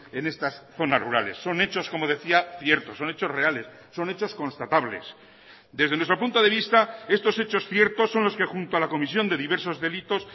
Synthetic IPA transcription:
e̞ne̞st̪asθo̞na̰ruɾale̞̰sːo̞ne̞t͡ʃo̞sko̞mo̞ð̞e̞θiaθjeɾt̪o̞sːo̞net͡ʃo̞zre̞ale̞sːo̞net͡ʃo̞sko̞nst̪at̪aβle̞̰s | d̪ezðe̞nwet̪ɾo̞punt̪o̞ðe̞β̞ist̪ae̞st̪o̞set͡ʃo̞sθje̞ɾt̪o̞sːo̞nlo̞ske̞xunt̪oalako̞misjo̞nd̪e̞ðiβe̞ɾso̞zðelit̪o̞s

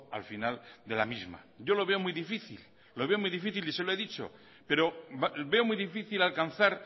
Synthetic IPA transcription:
a̰lfinald̪e̞lamizma̰ | ɟ͡ʝo̞lo̞βe̞o̞mujðifiθḭlː | o̞βe̞o̞muijðifiθiliseloe̞ðit͡ʃo̞̰ | pe̞ɾo̞be̞o̞mujðifiθilalkan̟θaɾ

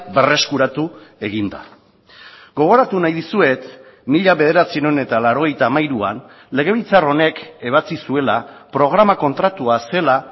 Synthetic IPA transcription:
be̞re̞skuɾat̪ue̞ɣ̞ind̪a̰ | ɡo̞ɣ̞o̞ɾat̪unajðisue̞t̪ | miʎaβe̞ðe̞ɾat͡sinone̞t̪alaɾo̞ɣ̞e̞jt̪aːmajɾua̰n | le̞ɣ̞e̞β̞it͡saro̞ne̞ke̞β̞at͡sisue̞lapɾo̞ɣ̞ɾamako̞nt̪ɾat̪uase̞la

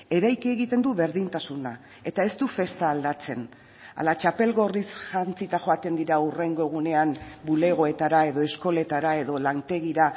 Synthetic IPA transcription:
e̞ɾajkieɣit̪e̞nd̪uβe̞ɾðint̪asuna | e̞t̪ae̞st̪ufe̞st̪aːld̪at͡se̞n | a̰lat͡ʃape̞lɣo̞risʝant͡sit̪aʝo̞at̪e̞nd̪iɾaure̞ŋɡo̞ɣ̞une̞ambule̞ɣ̞o̞e̞t̪aɾae̞ðo̞e̞sko̞le̞t̪aɾae̞ðo̞lant̪e̞ɣiɾa

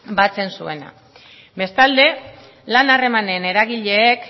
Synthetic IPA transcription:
bat͡se̞nsue̞na̰ | be̞st̪ald̪e̞ | lanare̞mane̞ne̞ɾaɣ̞iʎe̞ːk

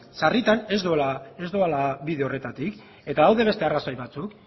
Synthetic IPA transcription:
sarit̪ane̞zd̪uelae̞zd̪ualaβiðe̞ore̞t̪at̪ik | e̞t̪aðawðe̞β̞e̞st̪e̞arasajβat͡suk

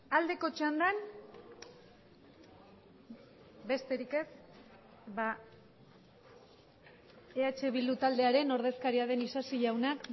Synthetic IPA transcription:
ald̪e̞ko̞t͡ʃand̪an | be̞st̪e̞ɾike̞s | βa | eat͡ʃe̞βild̪ut̪ald̪e̞aɾe̞no̞ɾð̞e̞skaɾiað̞e̞nisasiʎawnak

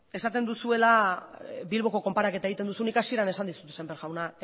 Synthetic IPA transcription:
e̞sat̪e̞nd̪usue̞la | bilβo̞ko̞ko̞mpaɾake̞t̪aeit̪end̪usunikasiɾane̞sand̪isu̥t̪e̥sembe̞ɾɣawna

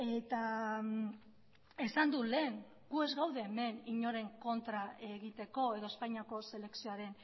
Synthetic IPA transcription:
e̞t̪a | esand̪ule̞ːŋ | ɡ̥ue̞zɣawðe̞ːme̞niɲo̞ɾe̞ŋko̞nt̪ɾaeɣit̪e̞ko̞e̞ðo̞espajɲiako̞se̞le̞ksioaɾe̞n

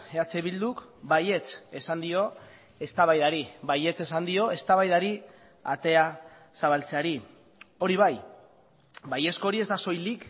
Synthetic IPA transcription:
eat͡seβild̪ukbaje̞t͡se̞sand̪io̞ | e̞st̪aβajðaɾibaje̞t͡se̞sand̪io̞e̞st̪aβajðaɾi | at̪e̞a | saβ̞alt͡seaɾi | o̞ɾiβ̞aj | baje̞skoɾie̞zd̪aso̞jlik

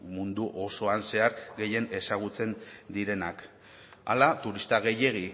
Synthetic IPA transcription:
mund̪uʔo̞so̞anse̞aɾɣe̞je̞ne̞saɣ̞ut͡se̞nd̪iɾe̞nak | a̰lat̪uɾist̪aɣ̞e̞je̞ɣ̞i

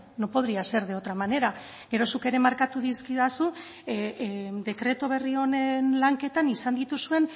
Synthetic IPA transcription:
no̞po̞ðɾiase̞ɾðeo̞t̪ɾamane̞ɾa | ɡe̞ɾo̞suke̞ɾe̞maɾkat̪uðiskiβasu | d̪e̞kɾe̞t̪oβ̞e̞rio̞nenlaŋke̞t̪anisand̪it̪usue̞n

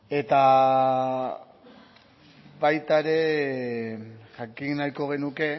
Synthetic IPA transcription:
e̞t̪a | bajt̪aɾe̞ | ʝakinajko̞ɣ̞e̞nuke̞

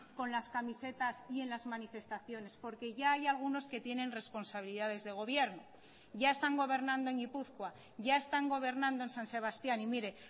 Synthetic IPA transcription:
ko̞nlaskamise̞t̪asie̞nlazmanife̞st̪aθjo̞ne̞spo̞ɾke̞ʝaːjalɣ̞uno̞ske̞t̪je̞nẽ̞nre̞spo̞nsaβ̞iliðað̞e̞zðe̞ɣ̞o̞β̞je̞ɾno | ʝae̞st̪aŋɡo̞β̞e̞ɾnãnd̪oe̞ŋɡipuθkwa | ʝae̞st̪aŋɡo̞β̞e̞ɾnãnd̪o̞e̞nsanse̞β̞ast̪janimiɾe̞

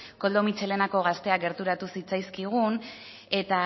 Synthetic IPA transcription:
ko̞ld̪o̞mit͡ʃe̞le̞nako̞ɣ̞ast̪e̞akɡe̞ɾt̪uɾat̪usit͡sajskiɣ̞un | e̞t̪a

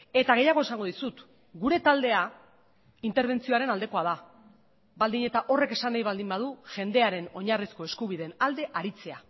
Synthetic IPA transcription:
e̞t̪aɣ̞e̞jaɣ̞oesaŋɡoð̞isut̪ | ɡuɾe̞t̪ald̪e̞a | int̪eɾβ̞e̞nt͡sioaɾe̞nald̪e̞ko̞að̞a | bald̪iɲe̞t̪aʔo̞re̞ke̞sanajβald̪imbað̞uʝe̞nd̪e̞aɾe̞no̞ɲarisko̞e̞skuβiðe̞nald̪e̞ʔaɾit͡se̞a

